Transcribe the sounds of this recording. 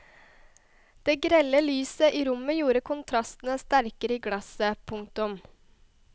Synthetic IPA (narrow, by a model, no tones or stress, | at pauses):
d̪̥eːɡɾɛləlyːsəʔiːɾʊməjuːɾəkʰʊnt̪ʰɾɑst̪n̩əst̪æɾkəɾəiːɡɽɑsəpʰʊŋ̚t̪ʊm